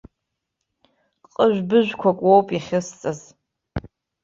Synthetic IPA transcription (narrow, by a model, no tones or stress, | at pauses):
qʼəʒᶣʷbɨʒᶣʷkʷʰakʷʼwowpʼiχʲɪst͡sʼaz